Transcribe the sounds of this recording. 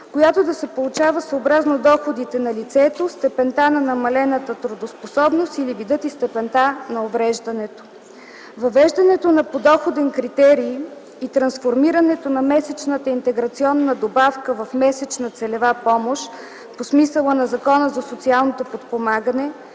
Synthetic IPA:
kojat̪od̪ɐsɛpolˠʊt͡ʃavəsəobɾaznod̪ɔxod̪it̪ɛnɐlit̪sɛt̪ost̪ɛpɛnt̪anɐnɐmɐlɛnət̪ət̪ɾʊd̪osposɔbnost̪ilivid̪ɤt̪ist̪ɛpɛnt̪anɐovɾɛʒd̪ɐnɛt̪o̥ | vɐvɛʒd̪ɐnɛt̪onɐpod̪ɔxod̪ɛnkɾit̪ɛɾi | it̪ɾɐnsfoɾmiɾɐnɛt̪onɐmɛsɛt͡ʃnət̪əint̪ɛɡɾɐt̪siɔnːəd̪obafkəvɐfmɛsɛt͡ʃnət̪sɛlɛvapɔmoʃ | posmisəlˠənɐzɐkɔnəzɐsot̪sialˠnot̪opot̪pomaɡənɛ

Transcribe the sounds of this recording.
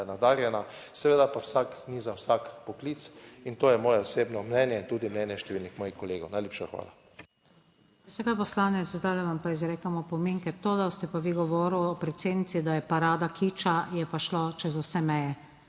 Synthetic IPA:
nad̪aːɾjɛnasɛʋeːd̪apawsaknizawsakpɔkliːt̪sint̪oːjɛmɔːjɛɔseːbnɔmnɛnjɛt̪uːd̪imnɛnjɛʃt̪ɛʋiːlnixmɔːjixkɔleːɡownajleːpʃaxʋa̰ːla̰ | usɛkapɔslaːnɛt̪zzd̪aːlɛʋampaizɾɛːkamɔpɔmeŋkɛt̪od̪ast̪ɛpaʋiɡɔʋɔːɾuwɔpɾɛt̪seːd̪nit̪sid̪ajɛpaɾaːd̪akʰit͡ʃajɛpaʃlot͡ʃɛzʊsɛmɛjɛ

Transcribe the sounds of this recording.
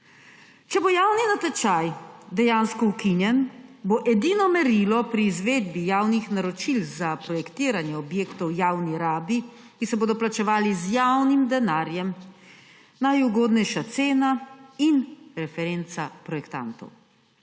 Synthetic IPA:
t͡ʃɛbojaːwninat̪ɛt͡ʃajd̪ɛjaːnskɔukinjɛnboʔɛd̪iːnɔmɛɾilɔpɾiːzʋeːd̪̚bijaːwnixnaɾɔt͡ʃilzapɾɔjɛkt̪iːɾanjɛɔbjeːkt̪ɔwjawniɾaːbi | kisɛboːd̪ɔplat͡ʃɛʋaːlizjawnimd̪ɛnaːɾjɛm | najuɡoːd̪nɛjʃat̪seːnainɾɛfɛɾent̪sapɾɔjɛkt̪a̰nt̪ɔ̰w

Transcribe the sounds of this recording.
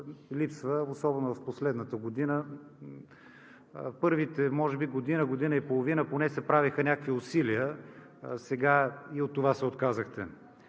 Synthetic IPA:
lipsvəosɔbɛnʊvɐfposlɛd̪nət̪əɡod̪inə | pɤɾvit̪ɛmɔʒɛbiɡod̪inəɡod̪inəipolˠovinəponɛsɛpɾavixənʲakəkviʊsiliə | sɛɡaiot̪ːovasɛot̪kazəxt̪ɛ

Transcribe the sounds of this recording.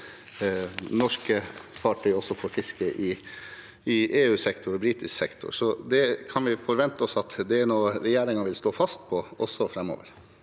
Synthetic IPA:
nɔʂkəfɑʈʰœʏɔsɔfɔɾfɪskəʔɪ | ɪʔeːʉːsɛkt̪ʰʊɾɔbɾiːt̪ɪsksɛkt̪ʰʊ̰ɾsɔd̪ɛkʰɑnʋɪfɔɾʋɛnt̪əɔsɑt̪d̪ɛːnoːɾɛjæːɾɪŋɑʋɪlst̪oːfɑst̪pʰɔɔ̰sɔfɾɛmo̰ːʋə̰ɾ

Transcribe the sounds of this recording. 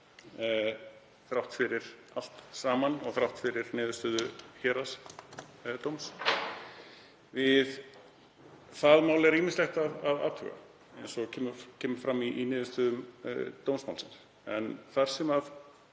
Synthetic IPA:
θɾawht̪fɪɾɪɾal̥t̪saːmanɔɣθɾawht̪fɪɾɪɾnɪːðʏst̪œːðʏçɛːɾas | t̪owms | vɪð | θaðmaːwlɪɛɾiːmɪnslɛxt̪avava̰ːt̪ʰʏ̰ɣa̰ | ejnsɔɣcʰɛːmʏcʰɛːmʏɾ̥fɾamːinɪːðʏst̪œːðʏmt̪owmsmawlsɪns | ɛ̰nθaɾ̥sɛma

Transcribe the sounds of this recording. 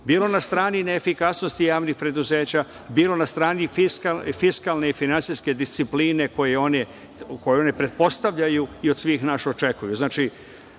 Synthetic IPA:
biːlo̞nast̪ɾaːnineːfikasno̞st̪ijaːʋnixpɾe̞d̪uze̞ːt͡ɕa | biːlo̞nast̪ɾaːnifiskafiskalˠne̞ifinant̪sijske̞d̪ist̪sipliːne̞ko̞jeo̞ne | ko̞jeo̞ne̞pɾe̞t̪̚po̞st̪aʋʎajuiod̪sʋiːxnaːʃo̞t͡ʃe̞kujuznaːt͡ʃi

